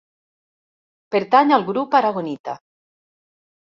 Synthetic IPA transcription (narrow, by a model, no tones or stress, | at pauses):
peɾt̪aɲalɣɾupaɾaɣonit̪a̰